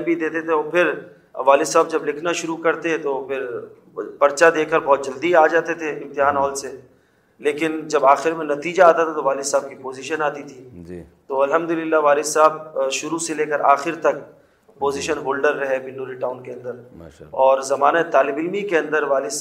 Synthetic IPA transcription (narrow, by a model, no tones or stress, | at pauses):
nbʱid̪eːt̪et̪ʰeɔːpʰɪɾ | ʋaːlɪsaːb̚d͡ʒɐblɪkʰnaʃʊɾukɐɾt̪eɛ̃t̪opʰɪɾ | pɐɾt͡ʃad̪eːkəɾbɔːt̪̚d͡ʒɐld̪iaːd͡ʒaːt̪et̪ʰeɪ̃mt̪ɪɦaːnɦɔːlse | leːkɪnd͡ʒɐbaːxɪɾmẽnɐt̪iːd͡ʒaːt̪at̪ʰat̪oʋaːlɪsaːb̚kipoːziːʃənaːt̪it̪ʰid͡ʒt̪oːɐlɦəmd̪ʊlɪlːaʋaːlɪsaːbʃʊɾuseleːkəɾʔaːxɪɾt̪ɐk̚ | poːziːʃənɦoːlɖəɾːɐɦɛbɪnːuːɾiʈaːʊnkeɐ̃nd̪əɾɔːɾzɐmaːnat̪aːlɪbɪlmikeɐ̃nd̪əɾʋaːlɪ